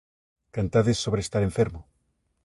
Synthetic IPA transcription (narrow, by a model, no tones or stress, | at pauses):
kant̪aðesːoβɾest̪aɾeɱfeɾmʊ